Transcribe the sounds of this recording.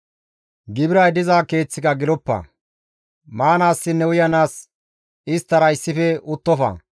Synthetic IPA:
ɡɪbɪɾɐjd̪ɪzaːke̞ːt͡sːɪkɐɡɪlɔpːɐ̰ | maːnaːsːɪnːɛwʊjɐnaːs | ɪst̪ːɐɾɐɪsːɪfɛʊt̪ːɔfɐ̰

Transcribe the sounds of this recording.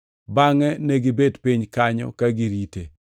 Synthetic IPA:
baŋɛneɡɪbedpiɲkaɲɔ̰kaɡiɾitḛ

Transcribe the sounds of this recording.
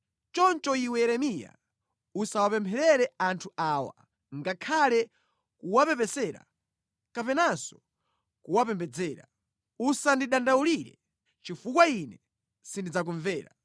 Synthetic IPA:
t͡ʃɔnt͡ʃɔiwɛɛɾɛmija̰ | usawapɛmpʰɛɾɛɾɛantʰuaːwa̰ | ŋɡakʰalɛ | kuwapɛpɛsɛɾa̰ | kapɛnasɔ̥ | kuwapɛmbɛd͡zɛːɾa̰ | usandiɗandauliɾɛ̰ | t͡ʃifukwainɛ | sindid͡zak̬uɱvɛːɾa̰

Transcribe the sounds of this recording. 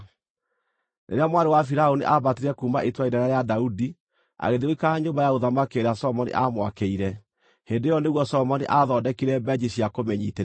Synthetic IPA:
nḛɾeamwaɾewafiɾaoniʔabateɾɛkuːmaʔetwaiɾaɾajadaudi | a̰ɣeðioikaɲoːmbajaoðamakeɾeasɔmɔnḭʔamwakeiɾɛ | heːndejɔneɣwɔsɔmɔniʔaðɔdɛkiɾɛbɛd͡ʑisiakomɛɲiːteɾ

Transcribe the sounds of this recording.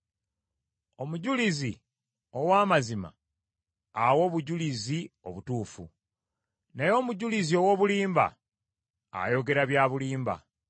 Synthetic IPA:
o̞muɟulizi | o̞waːmazima̰ː | wo̞ːβuɟulizio̞̰βutuːfu | nejo̞ːmuɟulizio̞wo̞ːβuliːmba̰ː | jo̞ɡe̞ɾaβjaːβuliːmba̰

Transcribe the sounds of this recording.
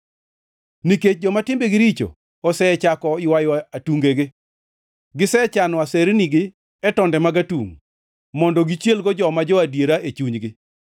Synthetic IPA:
niket͡ʃ̚d͡ʒɔmatɪmbeɡɪɾit͡ʃo̰ | ɔsɛɛt͡ʃakɔɪwajoaatuŋɡeɡɪ | ɡɪsɛt͡ʃanɔaseɾniɡɪ | ɛtɔndɛmaɡatuŋ | mɔndɔɡit͡ʃjelɡɔd͡ʒɔmad͡ʒɔadjeɾaʔet͡ʃuɲɡɪ

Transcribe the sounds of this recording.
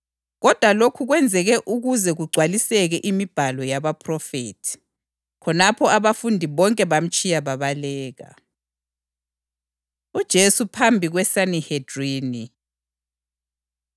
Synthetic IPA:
ɣɔd̥ʱwalokʰuɣwɛnd͡zʱɛɣɛʔuɣuzɛɣuɡ͡ǀʱwalisɛɣɛʔimib̥ʱalɔjaβapʰrɔfetʰi̥ | kʰɔnapʰɔaβafundʱiβɔŋkʼɛβam̩t͡ʃʼijaβaβalɛːɣa̰ | ud̥ʒ̥ʱesupʰambʱiɣwɛsanihed̥riːni

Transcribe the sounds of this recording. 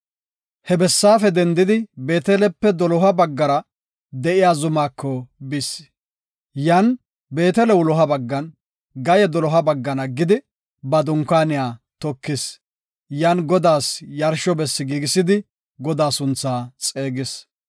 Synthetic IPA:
hɛbɛsːaːfɛd̪ɛnd̪ɪd̪ɪbe̞ːt̪ɛlɛpːɛd̪ɔlɔɦɐbɐɡːɐɾɐ | d̪ɛʔɪjaːzʊmaːkʰːɔbɪs | jaːn | be̞ːt̪ɛlɛwʊlɔɦɐbɐɡːɐn | ɡɐjɛd̪ɔlɔɦɐbɐɡːɐnɐɡɪd̪ɪ | bɐd̪ʊŋkːaːnɪjaːt̪ɔkːɪs | jaːnɡɔd̪aːsjɐɾʃɔbɛsːɪɡiːɡɪsɪd̪ɪ | ɡɔd̪aːsʊnt͡sːaːt͡sʼeːɡɪs

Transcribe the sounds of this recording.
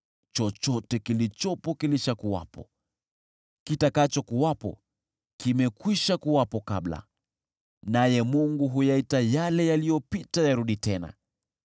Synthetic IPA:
t͡ʃɔt͡ʃɔtɛkilit͡ʃɔpɔkiliʃakuwa̰pɔ̰ | kitakat͡ʃɔkuwapɔ̰ | kimɛkwiʃakuwapɔkabla̰ | najɛmuŋɡuɦujaitajalɛjalijɔpitajaɾuɗitɛna̰

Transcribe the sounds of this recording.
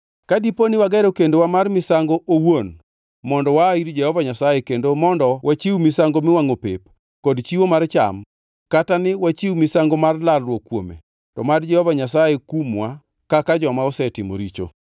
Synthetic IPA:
kadiponɪwaɡɛɾokendowamarmɪsaŋɡoʔowon | mɔndɔwaiɾd͡ʒɛhɔvaɲasajekendomɔndɔwʔat͡ʃiwmɪsaŋɡomɪwaŋopḛp | kɔdt͡ʃiwomart͡ʃa̰m | katanɪwat͡ʃiwmɪsaŋɡomarlalːwokːwomḛ | tɔmard͡ʒɛhɔvaɲasajekumwa | kakad͡ʒɔmaɔsɛtɪmo̰ɾit͡ʃo̰

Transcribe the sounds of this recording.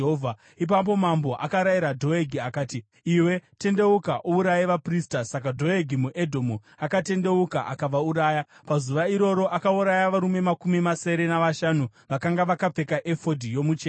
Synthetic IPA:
ovʱa | ip̬ap̬o̞mambo̞ʔakaɾajiɾadʱo̞eɡʱiakaːti | iwe̞te̞nde̞ukaʔuuɾajeʋapristasakadʱo̞eɡʱimuʔedʱomu | akate̞nde̞uka̰ʔa̰kaʋauɾaːjapazuʋaiɾo̞ɾo̞ʔakauɾajaʋaɾume̞makumimase̞ɾe̞naʋaʃanu | ʋakaŋɡaʋakap͡fe̞kaʔefo̞dʱijo̞mut͡ʃe

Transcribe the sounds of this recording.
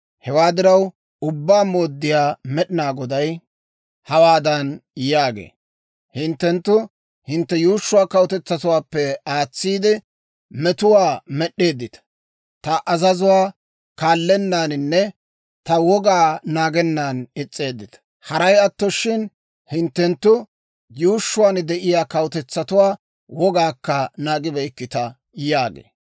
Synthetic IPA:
hɛwaːd̪ɪɾɐw | ʊbːaːmo̞ːd̪ːɪjaːmɛɗɪnaːɡɔd̪ɐj | hɐwaːd̪ɐnjaːɡḛː | hɪnt̪ːɛnt̪ːʊ | hɪnt̪ːɛjuːʃːʊwaːkɐwɔt̪ɛt͡sːɐt̪ʊwaːpːɛaːt͡sːiːd̪ɪ | mɛt̪ʊwaːmɛɗːe̞ːd̪ːɪt̪ɐ̥ | t̪ɐʔɐzɐzʊwaː | kaːlːɛnːaːnɪnːɛ | t̪ɐwɔɡaːnaːɡɛnːaːnɪt͡sʼːe̞ːd̪ːɪt̪ɐ̥ | hɐɾɐjɐt̪ːɔʃːɪn | hɪnt̪ːɛnt̪ːʊ | juːʃːʊwaːnd̪ɛʔɪjaːkɐwʊt̪ɛt͡sːɐt̪ʊwaː | wɔɡaːkːɐnaːɡɪbɛɪkːɪt̪ɐ | jaːɡḛː

